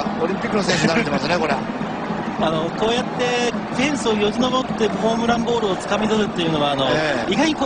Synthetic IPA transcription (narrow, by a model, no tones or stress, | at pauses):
oɾʲĩmpʲikːɯnosẽsɨaɾet̪emasɨneko̞ɾe | ano̞ko̞ːjat̪ːe̞ | k̪ẽ̞ɰ̃sɨojo̞ɾʲino̞bo̞t̪ːe̞ho̞ːmɯ̟ɾãmbo̞ːɾɯot͡sɨ̥kamʲizɨzɯt̪ːe̞jɯ̟no̞βaːno̞iɡaɲ̟iko